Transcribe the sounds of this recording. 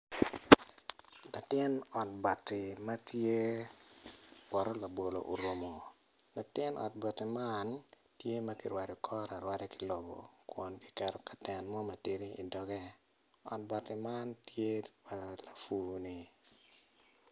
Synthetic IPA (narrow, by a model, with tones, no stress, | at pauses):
la˨tɪ˦nɔ˨t̚ba˨tːɪ˨ma˦tje˦ | wɔ˨ɾɔ˦la˨bo˨lo̰˨ʔo˨ɾwo˨mo˨ | la˨tɪ˦nʔɔ̰˨t̚bɔ˨tːɪ˨man | tje˦ma˦ki˨ɾwa˨ɾɔ˨kʰɔ˦ɾa˨ɾwa˦ɾɛ˦ki̥˨lo˨bo̰˨kwɔ˨nki̥˦kɛ˨ɾɔ˨kḁ˨tɛ˨nmɔ˦ma˨ti˦ɾi˦ḭ˨dɔ˨ɡɛ˦ | ɔ̰˨t̚ba˨tːɪ˨ma˦ntje˦pa˨la˨fu˨ni˨